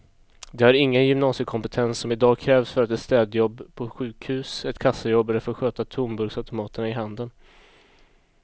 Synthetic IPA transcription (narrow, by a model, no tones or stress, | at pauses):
d̪ɛhaɾɪŋːənjɵmnɑːsəkʰɔmpɛt̪ʰɛnsːɔmɪd̪ɑːɡkʰɾɛːvsfœɾat̪ɛt̪st̪ɛːd̪jɔbːpʰɔɧʉ̟ːkhʉ̟ːsɛt̪kʰasːajɔbːd̪æɾfɔɾɧøːt̪at̪ʰʊmbɵɾɡsaʉt̪ʊmɑːt̪əɳaɪɦand̪ən